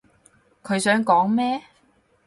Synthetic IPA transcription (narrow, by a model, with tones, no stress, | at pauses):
kʰɵ˨˧ɥsœː˨˥ŋkɔː˨˥ŋmɛː˥